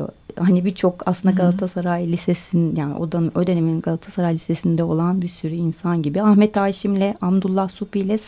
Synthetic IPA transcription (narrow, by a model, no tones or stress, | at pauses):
hanibit͡ʃʰo̞ka̰slˠɯnd̪aɡalˠat̪ʰasaɾaːjilʲisesinjaːnḭo̞̰d̪aod̪e̞nemininɡalˠat̪ʰḁsaɾaːjlʲisesind̪ɛo̞lˠanbiɾsyɾyinsanɟibiahmɛt̪ʰaːʃimlʲɛʔabd̪ulˠːahsufijlʲɛs